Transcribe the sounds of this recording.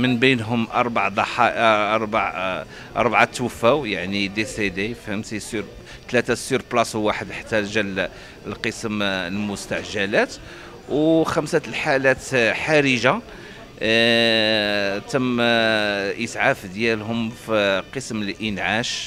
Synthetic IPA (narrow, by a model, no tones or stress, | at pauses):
mənbinɦʊmʔɑɾˤbaʕd̪ˤɑħɑɾˤbaʕ | ʔɑ̰ɾˤbʕat̪ːwəfːæwjaʕnid̪esed̪efhæmsisyɾ | t̪læt̪asyɾblɑswaħəd̪ħḁt̪ːæʒæl | əlqəsəməlmʊst̪aʕʒælæt̪ | wxæmsalħalæt̪ħaɾəʒa | t̪əmː | ʔəsʕafd̪jælɦʊmfiqəsməlʔənʕaʃ